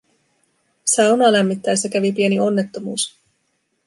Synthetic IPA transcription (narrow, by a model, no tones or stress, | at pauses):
sɑwnɑːlæmːit̪ːæjsːækæʋip̬ie̞nio̞nːe̞t̪ːo̞muːs